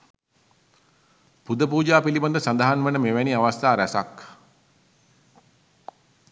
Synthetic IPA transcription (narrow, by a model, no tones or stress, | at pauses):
pud̪əpuːd͡ʒaːpiliband̪əsand̪əɦanʋənəmeʋæniaʋast̪aːɾæsa̰k